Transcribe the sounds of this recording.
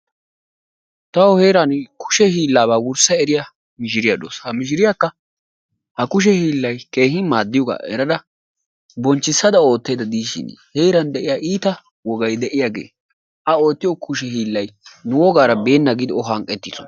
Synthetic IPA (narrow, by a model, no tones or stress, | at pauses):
t̪ɐwɔhe̞ːɾankʰʊ̥ʃɛhiːlːaːbaːwʊɾsɐɛɾɪja | mɪʃɪɾɪjaᶑo̰ːshɐmɪʃ̬ɪɾɪjakːɐ | hɐkʊʃ̬ɛhiːlːɐjke̞ːɦɪmaːd̪ːɪjɔɡa̰ːʔɛ̰ɾɐd̪ɐ | bɔnt͡ʃːɪsːɐd̪ɐo̞ːt̪ːe̞ːd̪ɐd̪iːʃɪ̰nheːɾɐnd̪ɛʔɪjaːʔiːt̪ɐ | wɔɡɐjd̪ɛʔɪjaɡe̞̰ː | ʔɐo̞ːt̪ːɪjɔkʰʊʃɛhiːlːɐjnʊwɔɡaːɾɐbe̞ːnːɐɡɪd̪ɪɔɦɐŋkʼːɛt̪ːɪsɔn